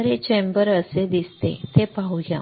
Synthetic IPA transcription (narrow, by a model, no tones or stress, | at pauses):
ɾet͡ɕembəɾəsed̪ist̪ḛ̃t̪epauɦjã̰